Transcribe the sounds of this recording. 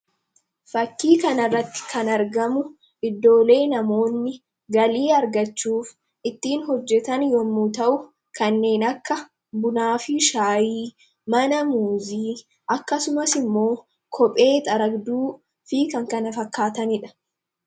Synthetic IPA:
fɐkːiːkɐnɐrːɐt̪ːɪ̥kʰɐnɐɾɡɐmʊ | ɪd̪ːo̞ːle̞ːnɐmo̞ːnːɪ | ɡɐliːɐɾɡɐt͡ʃːuːf | ɪt̪ːiːnɦɔd͡ʒːɛt̪ɐnjɔmːuːt̪ɐʔʊ | kɐnːe̞ːnɐkːɐ | bʊnaːfɪʃaːjiː | mɐnɐmuːziː | ʔɐkːɐsʊmɐsɪmːo̞ː | kʰɔpʼe̞ːt̪ʼɐɾɐɡd̪uː | fiːkɐŋkɐnɐfɐkːaːt̪ɐnɪᶑɐ̥

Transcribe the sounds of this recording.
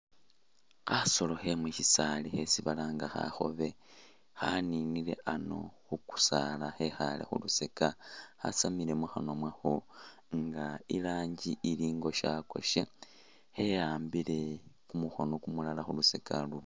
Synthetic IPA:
xaso̞lo̞xe̞mwiʃisalixe̞siβalaːŋɡaxa̰xo̞̰βe̞ | xaninile̞̰ʔano̞̰xuku̥salaxe̞xalḛxṵlusekaxa̰samile̞muxano̞mwaxo | ŋɡailaːɲɟiʔiliːŋɡo̞ʃako̞̰ʃe | xe̞jaːmbile̞kumuxonokumulalaxulusekʰa̰lu

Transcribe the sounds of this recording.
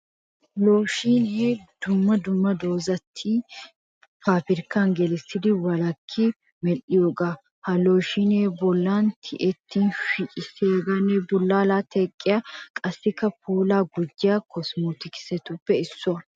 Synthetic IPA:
lo̞ːʃiːneːd̪̥ʊmːɐd̪ʊmːɐd̪o̞ːzɐt̪ʰːiː | paːpɪɾkaŋɡɛlɪsɪd̪ɪwɐlɐkʰːɪ | mɛlɪjoːɡa | hɐlo̞ːʃiːneːbʊlːaːnt̪ʰɪʔɛt̪ːiːnfɪkʼɪsɛɐɡɐnɛbʊlːaːlaːt̪ʰɛkʼːɪjaːkʼɐsːɪkːɐpuːlaːɡʊd͡ʒːɪjaːkʰɔsmuːt̪ɪkɪ̥sɛt̪ʊpːɛɪsːɔɐ

